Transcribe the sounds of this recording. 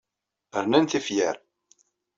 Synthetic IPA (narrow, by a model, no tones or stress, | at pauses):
əɾnænθifjə̰ɾ